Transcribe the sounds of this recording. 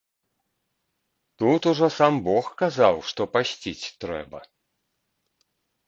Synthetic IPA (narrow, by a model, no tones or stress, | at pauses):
t̪ut̪uʐɔsambɔxkazawʂt̪ɔpasʲt͡sʲit͡sʲt̪ɾɛ̰bɐ̰